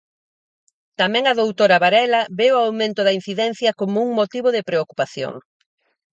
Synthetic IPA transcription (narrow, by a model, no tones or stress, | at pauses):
t̪amɛ̃ŋɐðowt̪oɾɐβaɾɛlɐβewawmẽnt̪ʊðɐin̟θiðɛn̟θjɐkomʊuŋmot̪iβʊðɪpɾeokupaθjo̰ŋ